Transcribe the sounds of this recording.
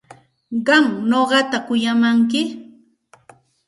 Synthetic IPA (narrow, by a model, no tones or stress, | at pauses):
ɢɑŋnoɢɑt̪akʊjamaŋkɪ